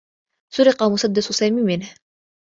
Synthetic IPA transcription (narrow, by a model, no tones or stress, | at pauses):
sʊɾɪqɑmʊsˤad̪ːasʊsaːmiːmɪnh